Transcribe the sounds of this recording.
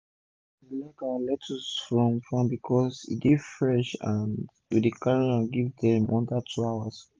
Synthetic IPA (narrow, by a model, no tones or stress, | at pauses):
lɛkãlɛtʰusfɹɔ̃mfɹãmbikʰɔsḭdifɹɛʃãn | widikaɹiaɡivdɛ̃mɔ̃ndatʰuawas